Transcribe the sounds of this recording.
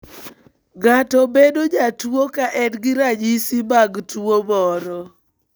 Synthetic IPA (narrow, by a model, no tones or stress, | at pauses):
ɡatɔbedod͡ʒatuokaʔɛdɡɪɾad͡ʒisibaɡtuobɔɾɔ